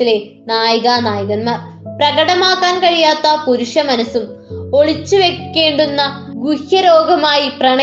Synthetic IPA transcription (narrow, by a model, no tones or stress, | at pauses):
ile̞ | naːjɐɣɐnaːjɐɣɐnmaːr | prɐɣɐɽɐmaːkːaːnkɐɻijaːt̪ːɐpuɾuʂjɐmɐnɐsumo̞ɭit͡ɕːuʋe̞kːe̞ːɳɖunːɐ | ɡuhjɐɾo̞ːɡɐmaːjiprɐɳɐ